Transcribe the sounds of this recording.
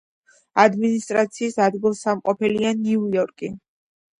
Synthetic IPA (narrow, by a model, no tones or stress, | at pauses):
ad̪minist̪ʼɾat̪sʰiːsad̪ɡilˠsamqʼɔpʰɛlianiujɔɾkʼi